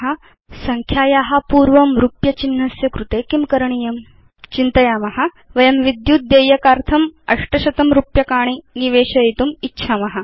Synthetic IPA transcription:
ɦa | sɐŋkʰjaːjaɦapuːɾʋɐmɾupjɐt͡ʃinːɐsjɐkɾut̪eːkimkɐɾɐɳ̃ijɐm | t͡ʃint̪ɐjaːmɐɦa | ʋɐjɐmʋid̪jut̪̚d̪eːjɐkaːɾt̪ʰɐmɐʂʈɐʃɐt̪ɐmɾupjɐkaːɳ̃iniʋeːɕɐit̪umitːɕʰaːmɐɦa

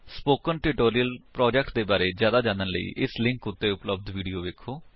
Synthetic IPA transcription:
spoːkənʈɪʈoːɾiəlpɾɔːd͡ʒɛk̚ʈd̪eːbaːɾeːzjaːd̪aːd͡ʒãːnd̪ənlə̰ḭːʔɪslɪ̃ŋkʊt̪ːeːʊpləb̚d̪ʋiːɖijoːʋeːkʰːoː

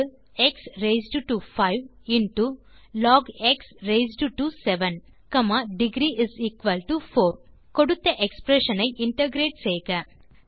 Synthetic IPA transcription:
ɛksɾeɪsɖʈufaɪʋ | ɪɳʈu | lɔːɡeksɾeɪzɖʈusɛʋɐn | kɐmaːɖɪɡɾiːʔɪziːkʋɐlʈufoːɾ | kɔɽɯt̪ːɐʔɛkspɾeʂɐnɐɪʔɪɳʈɐɡɾeːʈsɛjɣɐ

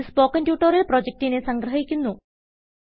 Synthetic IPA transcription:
spoːkːɐndjuːʈːɐɾilproːd͡ʑek̚tinesɐŋɡɾɐɦikʲːunːu

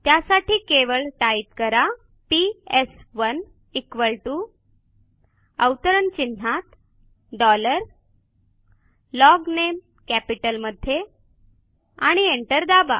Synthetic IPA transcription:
t̪jasaʈiːkeʋəɭʈaip̚kəɾa | piesʋən | ikʋəɭʈu | əwt̪əɾənt͡ɕin̤ːat̪ | ɖɔləɾ | lɔɡnem | kæpiʈəlməd̪ʱje | aɽ̃ieɳʈəɾd̪aba̰

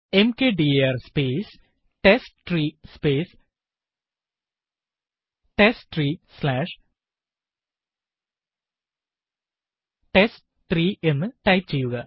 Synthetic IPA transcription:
emkeːɖiɐrspeːs | ʈesʈriːspeːs | ʈesʈ̪riːslaːʂ | ʈesʈ | t̪riːenːɨʈɐjp̚t͡ɕejuɡɐ

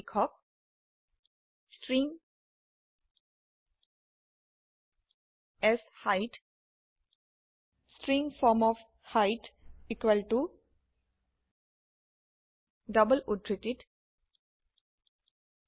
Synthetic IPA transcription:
kʰɔk̚ | sʈɾĩŋ | ɛshaɪʈ | sʈɾĩŋfɔːɾmɔf | haɪʈikwəlʈu | ɖʌbəluʈɾiʈɪɖ

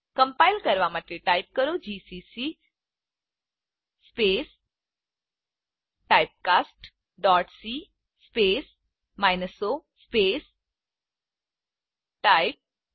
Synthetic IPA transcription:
kə̃mpaɪlkɐɾʋamət̪eʈaːɪp̚kəɾod͡ʒiːsisi | speːs | ʈaːjp̚kaːsʈ | ɖɔːʈsiː | speːs | maːjnəsospeːs | ʈajp̚

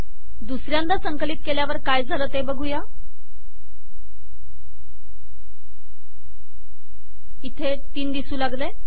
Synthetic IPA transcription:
d̪usɾjand̪asəŋkəliːt̪̚keljaʋəɾkajd͡zʱaləːt̪ebəɡʱuja | it̪ʰe | t̪iːnd̪isuːlaɡlə

